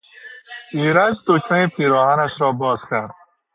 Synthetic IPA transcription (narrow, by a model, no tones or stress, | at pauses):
iɾad͡ʒt̪ot͡ʃnaepiɾɔɦanaʃɾɔːbɔːzkaɾd̪̚